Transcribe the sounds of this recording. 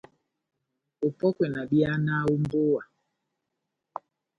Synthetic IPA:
o˨pɔ˦kwɛ˨na˨ɗi˦a˦na˦u˦m˦bo˦wa˨

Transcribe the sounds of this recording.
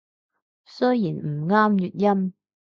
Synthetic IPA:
sɵ˥jiː˨˩nm̩˨˩ŋaː˥mjyː˨t̚jɐ˥m

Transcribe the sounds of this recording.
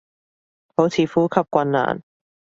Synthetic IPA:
ho˨˥wt͡sʰiː˨˧fuː˥kʰɐ˨˧p̚kʷɐ˧nːa̰ː˨˩n

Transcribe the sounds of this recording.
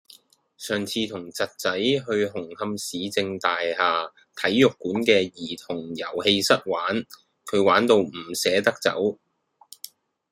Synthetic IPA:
sœː˨ŋt͡sʰiː˧t̪ʰʊ˨˩ŋt͡sɐ˨t̚t͡sɐ˨˥jɦɵ˧ɥɦʊ˨˩ŋhɐ˧msiː˨˧t͡sɪ˧ŋt̪aː˨jhaː˨˧ | t̪ʰɐ˨˥jːʊ˨kːuː˨˥nkɛː˧jiː˨˩t̪ʰʊ˨˩ŋjɐ˨˩whe˧jsɐ˥t̚waː˨˥n | kʰɵ˨˧ɥwaː˨˥nt̪o˧wm̩˨˩sɛː˨˥t̪ɐ˥k̚t͡sɐ̰˨˥w

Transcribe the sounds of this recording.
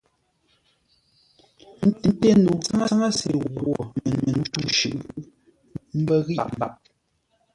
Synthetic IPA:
n̩˦ti˨˦te˦˨nu˨t͡sa˦ŋa˦a˦ŋa˦sḛ˨ɣwo˨mɛ˨nɛ˨n˨tu˦ʃʉ˨ʔ | m̩˦bɛ˦ɣi˦a̰˨m˨ba˨p̚

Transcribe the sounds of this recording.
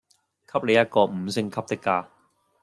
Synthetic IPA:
kʰɐ˥p̚le˨˧jɐ˥t̚kɔː˧m̩˨˧sɪ˥ŋkʰɐ˥p̚t̪ɪ˥kːaː˧

